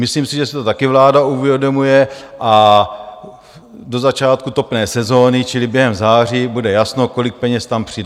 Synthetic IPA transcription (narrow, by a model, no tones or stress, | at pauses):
mɪsliːmsɪʒɛsɛ̥t̪o̞t̪akɪvlaːdauvjɛdo̞mujɛʔa | do̞zat͡ʃaːt̪̚kut̪o̞pnɛːsɛzo̞ːnɪt͡ʃɪlɪbjɛɦɛmzaːr̝ibudɛjasnoko̞lɪk̚pɛɲɛst̪ampr̥ɪdɛ